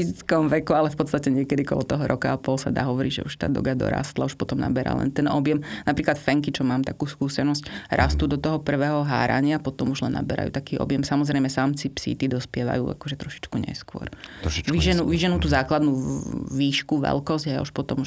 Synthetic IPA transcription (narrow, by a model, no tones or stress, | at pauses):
it͡skɔmʋɛkualɛfpɔt̪st̪acɛɲɪɛkɛd̪ikɔ̰lɔt̪ɔɦɔɾʔɔkaapɔlsa̰d̪a̰ːɦɔʋɔɾiɟʒɛ̰uʃt̪a̰ːd̪ɔ̰ɡad̪ɔ̰ɾa̰ːst̪lauʃpɔt̪ɔmna̰bɛɾa̰ːlɛ̰nt̪ɛnɔbjɛmnapɾiːklat̪fɛŋkit͡ʃɔmaːmt̪akuːskuːsɛnɔscɾʔa̰st̪uːd̪ɔt̪ɔɦɔpr̩ʋɛːɦɔɦa̰ːɾa̰ɲɪapɔt̪ɔmuʒlɛnːa̰bɛɾa̰jṵt̪akiːɔ̰bjɛmsamɔzɾɛɪmɛsaːmt͡sipsḭːt̪id̪ɔspɪɛʋa̰jṵːa̰kɔʒɛt̪ɾɔʃi̥t͡ʃkuɲɛ̰skʊɔ̰ɾʋiʒɛnuːʋiʒɛnuːt̪uːzaːklad̪nuʋiːʃkuʋɛ̰lkɔzɟɦɛja̰uʃpɔt̪ɔmu